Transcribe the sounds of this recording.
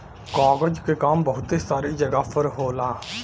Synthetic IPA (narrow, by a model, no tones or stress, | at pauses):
kaːɡəd͡ʒkekaːmbəɦʊt̪isaːɾid͡ʒəɡapʰəɾɦoːlaː